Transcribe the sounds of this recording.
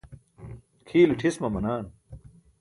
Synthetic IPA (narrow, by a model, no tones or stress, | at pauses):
kʰiːliʈʰismɐmɐnaːn